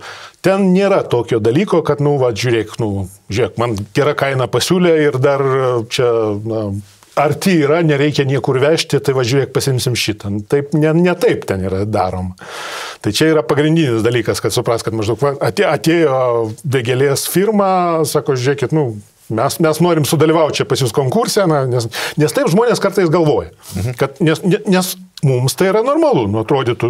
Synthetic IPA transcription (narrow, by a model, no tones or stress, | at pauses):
t̪ʲɛnnʲeːɾɐt̪oːkʲoːd̪ɐlʲiːkoːkɐt̪nʊʋɐʒʲʊːɾʲeːknʊʒʲʊɾʲeːkmɐnɡʲɛɾɐkɐɪnɐpɐsʲuːlʲeɪrd̪ɐrt͡ʃʲɛnɐ | ɐrt̪ʲiiːɾɐnʲɛɾʲɛɪkʲɛnʲiɛkʊrʋʲæːʃʲt̪ʲɪt̪ɐɪʋɐʒʲʊːeːk̚pɐsʲɪmʲsʲɪmʲʃʲit̪ɐnʊt̪ɐɪpnʲɛnʲɛt̪ɐɪpt̪ʲɛniːɾɐd̪ɑːɾoːm | t̪ɐɪt͡ʃʲɛiːɾɐpɐɡɾʲɪnʲdʲiːnʲɪsd̪ɐlʲiːkɐskɐt̪sʊpɾɐːst̪̚kɐt̪mɐʒdɐʊkʋɐɐt̪ʲeɐt̪ʲeːjoːʋʲeːɡʲɛlʲeːsfʲiːrmɑːsɑːkoːʒʲʊɾʲeːkʲɪt̪nʊ | mʲɛsmʲɛsnoːɾʲɪmsʊd̪ɐlʲiʋɐʊt̪̚ʲt͡ʃʲɛpɐsjuːskoːŋkurʲsʲɛnɐnʲɛsnʲɛst̪ɐɪpʒmoːnʲeːskɐrt̪ɐɪs̬ɡɐlˠʋoːjɛkɐt̪nʲɛsnʲɛnʲɛsmumst̪ɐɪiɾɐnoːrmɐlˠunʊɐt̪ɾoːd̪ʲɪt̪ʊ